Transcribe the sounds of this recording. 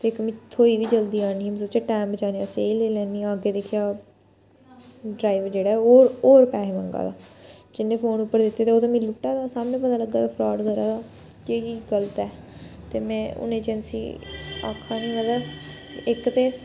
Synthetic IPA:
t̪eːkmĩːt̪ʰoːiːʋiːd͡ʒəld̪iːaːniːms̬oːt͡ʃeːʈaːmbət͡ʃaːniːaːseːleːlɛːniːaːɡeːd̪eːkʰːjaː | ɖɾaːiʋd͡ʒeːɽaːoːɾoːɾpɛːɦeːməŋɡa̰ːd̪a̰ːd͡ʒɪnːẽːpʰoːnʊpːəɾd̪ɪt̪ːeːt̪eːoːt̪eːmĩlʊʈːaːd̪aːsaːmnẽːp̬ət̪aːləɡːaːt̪aːpʰɾɔːɖkəɾaːd̪aː | d͡ʒeːt͡ʃiːd͡ʒɡələt̪ɛː | t̪eːmɛ̃ːʊ̰nẽːd͡ʒənsḭːa̰ːkʰːaːnĩːɡad̪aːɪkt̪eː

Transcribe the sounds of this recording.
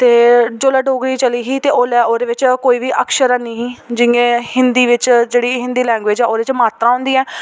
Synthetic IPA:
t̪eːd͡ʒoːlaːɖoːɡɾiːt͡ʃəliːɦiːt̪eːʔoːlɛːoːd̪eːʋɪt͡ʃkoːiːʋiːʔəkʃəɾɛniːɦiːd͡ʒɪẽːhɪnd̪iːʋɪt͡ʃd͡ʒeːɽiːɦɪ̃nd̪iːlɛ̃ːŋɡʋeːd͡ʒɛːoːd̪eːt͡ʃmaːt̪ɾãːɦʊ̃nd̪iːɛː

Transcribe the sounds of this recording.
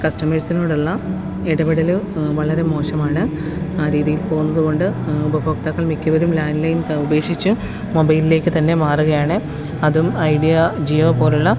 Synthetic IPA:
kɐsʈɐmɐrsino̞ːɽuɭːɐ | iɽɐbiɽɐlɨʋɐɭɐɾe̞mo̞ːɕɐmaːɳɨ | aːɾiːðijilpo̞ːɣunːɐðuɣo̞ɳɖɨubɐboːkt̪ɐɣːɐɭmikʲːɐʋɐɾumlaːnlɐjnube̞ːkʂit͡ɕːu | mobɐjlile̞ːkʲːɨt̪ɐnːe̞maːruɣɐjaːɳɨ | ɐðumɐjɖijɐd͡ʑioːpo̞ːɾuɭːɐ

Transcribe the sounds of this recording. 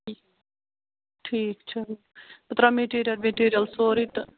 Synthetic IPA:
i | ʈʰiːk̚t͡ʃʰɨ | ɐt̪ɾameʈiɾijɐlmeʈiːɾijɐlsoːɾit̪

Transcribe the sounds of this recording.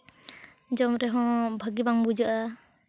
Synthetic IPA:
d͡ʒɔmɾɛɦɔ̃bʱaɡibaŋbud͡ʒɔʔa

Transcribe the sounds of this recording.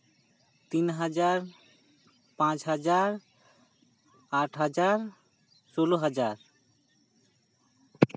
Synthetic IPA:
t̪inɦad͡ʑaɾ | pãt͡ɕɦad͡ʑaɾ | aʈʰɦad͡ʑaɾ | ʃoloɦad͡ʑaɾ

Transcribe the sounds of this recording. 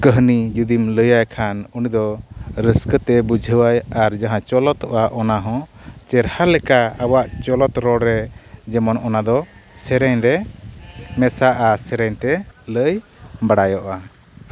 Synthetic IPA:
kəɦnid͡ʒud̪imləjajkʰanunid̪ɔɾəskət̪ɛbud͡ʒʱəwajaɾd͡ʒaɦãt͡ʃɔlɔt̪ɔʔaʔɔnaɦɔ̃t͡ʃɛɾhalɛkaawaʔt͡ʃɔlɔt̪ɾɔɽɾɛd͡ʒɛmɔnɔnad̪ɔsɛɾɛɲɾɛ | mɛsaʔasɛɾɛɲt̪ɛləjbaɽajɔʔa

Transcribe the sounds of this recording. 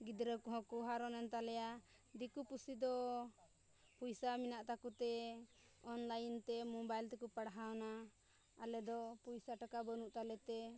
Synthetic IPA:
ɡid̪ɾəkɔɦɔ̃kuɦaɾɔnɛnt̪alɛja | d̪ikupusid̪ɔ | pujsaminaʔt̪akut̪ɛ | ɔnlajint̪ɛmɔbajlt̪ɛkupaɽɦawnaː | lɛd̪ɔpujsaʈakabənuʔt̪alɛt̪ɛ

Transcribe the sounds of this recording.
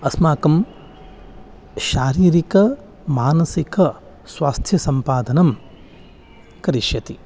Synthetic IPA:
ɐsmaːkɐm | ʃaːɾiːɾikɐ | maːnɐsikɐ | sʋaːst̪ʰjɐsɐmpaːd̪ɐnɐm | kɐɾiʃjɐt̪i

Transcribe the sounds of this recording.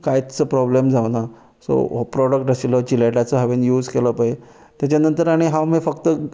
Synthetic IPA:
kajt̪t͡səpɾɔblemd͡zaʋna | so̰pɾɔɽək̚ʈəsilɔt͡ɕileʈat͡sɔɦɛʋenjuːd͡zkeləpae | t̪jat͡ɕanənt̪əɾaɽ̃iɦãwmifəkt̪ə

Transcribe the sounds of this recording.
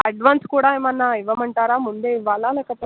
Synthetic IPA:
ɐɖʋaːnskuːɽaːmɐnːaiʋɐmɐɳʈaːɾaːmund̪eːiʋːaːlːaːlɛːkɐpoː

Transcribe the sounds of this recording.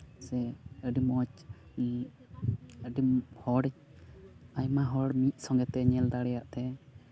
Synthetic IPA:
sɛəɖimɔt͡ʃ | əɖimhɔɽ | ajmaɦɔɽmit̪̚ˀsɔ̃ŋɡɛt̪ɛɲɛld̪aɽɛjaʔt̪ɛ

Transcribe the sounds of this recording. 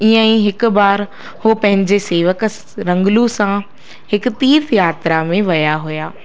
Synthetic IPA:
iə̃ĩɦɪkʊ̆baːɾ | hopɐ̃ɦɪ̃ɲd͡ʑeseːʋək | ɾɐ̃ŋɡlusã | hɪkʊ̆t̪iːɾt̪jaːt̪ɾamẽʋɐjaɦujaː

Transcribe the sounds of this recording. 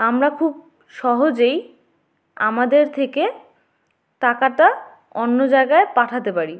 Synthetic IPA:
amɾakʰub̚ | ʃɔɦod͡ʑej | amad̪eɾt̪ʰeke | takaʈa | onːod͡ʑaeɡaepaʈʰat̪epaɾi

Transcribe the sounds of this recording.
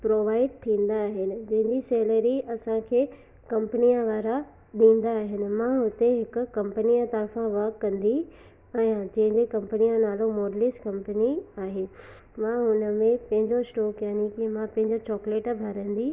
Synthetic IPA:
pɾoːʋaːɪɖ̚t̪ʰĩːn̆d̪aːɦɪnɪ̆d͡ʑɐ̃ɦɪ̃ɲd͡ʑisɛːləɾiɐsãkʰeː | kɐ̃mpənijãʋaːɾa | ɗĩːn̆d̪aːɦɪnɪ̆mãɦʊt̪eɦɪkʊ̆ɐ̃mpnijat̪ɐɾfãʋɐkːɐ̃nd̪i | ɛ̃ːd͡ʑɐ̃ɦɪ̃ɲd͡ʑekɐ̃mpənijãnaːlomoːɾlɪskɐ̃mpəniaːɦeː | mãɦʊnəmẽpɐ̃ɦɪ̃ɲd͡ʑosʈɔːkjaːnikimãpɐ̃ɦɪ̃ɲd͡ʑot͡ɕɔːkleːʈbʱɐɾə̃n̆d̪i

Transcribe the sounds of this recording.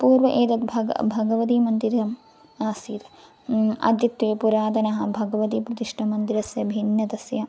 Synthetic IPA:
puːɾʋɐʔeːt̪ɐt̪bʱɐɡɐ̰bʱɐɡɐʋɐt̪imɐnd̪iɾɐm | aːsiːt̪ɐ̥ | ɐ̰d̪jɐt̪ʋeːpuɾaːd̪ɐnɐɦɐbʱɐɡɐʋɐt̪iːpɾɐt̪iʂʈʰɐmɐnd̪iɾɐsjɐbʱinjɐt̪ɐsjɐ

